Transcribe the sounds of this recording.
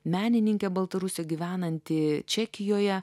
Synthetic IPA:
mʲæːnʲɪnʲɪŋʲkʲɛbɐlˠt̪ɐɾʊsʲɛɡʲiʋʲæːnɐnʲt̪ʲɪt͡ʃʲɛkʲɪjoːjɛ

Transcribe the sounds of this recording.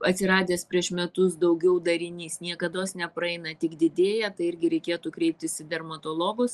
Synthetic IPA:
ɐt̪ʲsʲɪɾɑːd̪ʲeːspʲɾʲiɛʃmʲɛt̪ʊsd̪ɐʊɡʲɛʊd̪ɐɾʲɪnʲiːsnʲiɛkɐd̪oːsnʲɛpɾɐɛɪnɐt̪ʲɪɡd̪ʲɪd̪ʲeːjɛt̪ɐɪɪɾʲɡʲɪɾʲɛɪkʲeːt̪uːkɾʲɛɪp̚ʲt̪ʲɪsɪd̪ʲɛrmɐt̪oːlˠoːɡʊs

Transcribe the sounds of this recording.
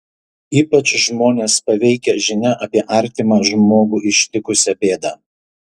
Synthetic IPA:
iːpɐt͡ʃʒmoːnʲeːspɐʋʲɛɪkʲɛʒʲɪnʲɛʔɐpʲiɛʔɐɾʲt̪ʲɪmɑʒmoːɡuːʔɪʃʲt̪ʲɪkʊsʲɛpʲeːd̪ɑː

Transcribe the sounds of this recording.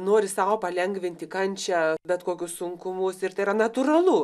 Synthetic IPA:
noːɾʲɪsɑːʋoːpɐlʲɛŋɡʋʲɪnʲt̪ʲɪkɐnʲt͡ʃʲɛbʲɛt̪koːkʲʊssʊŋkʊmʊsɪrt̪ɐɪrɐnɐt̪ʊrɐlˠuː

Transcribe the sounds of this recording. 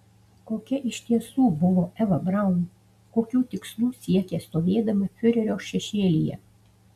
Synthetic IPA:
koːkʲɛʔɪʃʲt̪ʲiɛsuːbʊʋoːʔɛʋɐbɾɑˑʊn | koːkʲuːt̪ʲɪkslˠuːsʲiɛkʲeːst̪oːʋʲeːd̪ɐmʲɐfʲʊɾʲɛɾʲoːʃʲɛʃʲeːlʲijɛ̰

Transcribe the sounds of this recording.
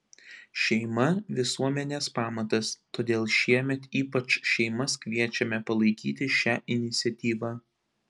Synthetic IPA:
ʃʲɛɪmɐʋʲɪsuɔmʲɛnʲeːspɑːmɐt̪ɐst̪oːd̪ʲeːlˠʃʲiɛmʲɛt̪iːpɐt͡ʃʃʲɛɪmɐskʲʋʲiɛt͡ʃʲɛmʲɛpɐlˠɐɪkʲiːt̪ʲɪʃʲæːʔɪnʲɪt̪sʲɛt̪ʲiːʋɑ

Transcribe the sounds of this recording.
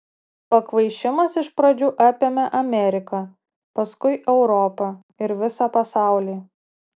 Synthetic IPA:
pɐkʋɐɪʃʲɪmɐsɪʃpɾɐd͡ʒʲuːʔɑːpʲeːmʲɛʔɐmʲɛɾʲɪkɐː | pɐskʊɪʔɛʊɾɔpɐ | ɪɾʋʲɪsɑːpɐsɑˑʊlʲiː

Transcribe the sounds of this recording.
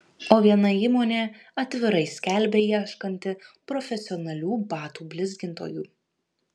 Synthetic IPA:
oːʋʲiɛnɐiːmoːnʲeːɐt̪ʲʋʲɪɾɐɪsʲkʲælʲˑbʲeːiɛʃkɐnʲt̪ʲɪpɾɔfʲɛsʲɪɔnɐlʲuːbɑːt̪uːbʲlʲɪzʲɡʲɪnt̪o̰ːjuː

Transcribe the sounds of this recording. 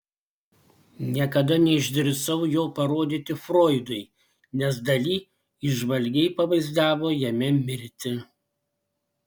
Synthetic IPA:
nʲiɛkɐd̪ɐnʲɛɪʒʲd̪ʲɪɾʲsɐʊjoːpɐɾoːd̪ʲit̪ʲɪfɾoːɪd̪ʊɪ | nʲɛs̬d̪ɐlʲiː | ɪʒʋɐlʲɡʲɛɪpɐʋɐɪzd̪ɑːʋoːjɛmʲɛmʲɪɾʲt̪ʲɪ

